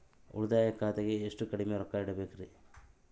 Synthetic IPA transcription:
ṵɽud̪aːjɐkaːt̪ɐɡeːʂʈukɐɽimeɾɔkːaːjiɽɐbeːkiɾi

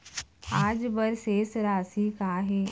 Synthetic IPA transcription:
aːd͡ʒbəɾseːsɾaːsikaːɦeː

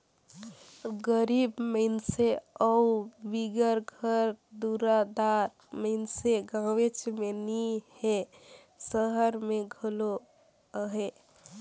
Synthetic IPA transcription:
ɡəɾibməɪnseəubiɡəɾɡʱəɾd̪uɾad̪aɾ | məɪnseɡãʋet͡ʃmenihe | səɦəɾmeɡʱəlo | əɦe

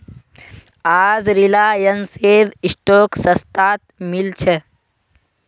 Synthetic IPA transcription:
aːzɾilaːjənseːd̪isʈoːksɐst̪aːt̪̚milt͡ʃʰe

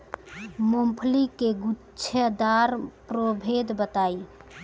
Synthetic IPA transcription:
mompʰlikeɡutːt͡ʃʰed̪aɾpɾobʱeːd̪bət̪aːi

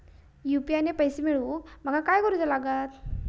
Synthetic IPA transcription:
jupianepəjsemiɭũːm̤əɡakajkəɾut͡səlaɡat̪

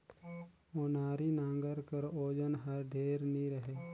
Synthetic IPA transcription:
oːnaːɾinãːŋɡəɾkəɾoːd͡ʒənɦɐɾɖʱeːɾniɾəɦeː

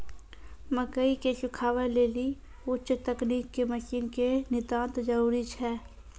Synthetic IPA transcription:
məkəikeʃʊkʰaːʋəleːli | ʊt͡ʃt̪əkniːkːeməʃiːnkenɪd̪ãːnt̪d͡ʒəɾuːɾit͡ʃʰɛː

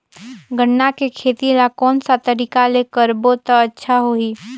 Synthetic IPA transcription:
ɡʱəɳːakekʰeːt̪ilakɔːnsat̪əɾiːkaleːkəɾboːt̪ətːʃʰaɦoːiː

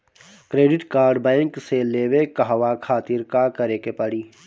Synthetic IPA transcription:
kɾeːɖɪʈkaːɾɖbɛ̃ːŋkseleːʋekɐɦʋakʰaːt̪ɪɾkakɐɾeːkepɐɽiː

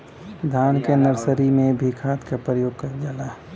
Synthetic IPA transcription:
d̪ʱaːnkenəɾsəɾimẽbʱikʰaːt̪kapɾɾəjoːɡkad͡ʒaːlaː

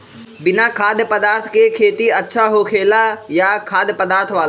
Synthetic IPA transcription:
bɪnakʰaːd̪jəpəd̪aːɾt̪ʰkekʰeːt̪iɐtːʃʰaɦokʰeːlajakʰaːd̪jəpəd̪aːɾt̪ʰʋaːl

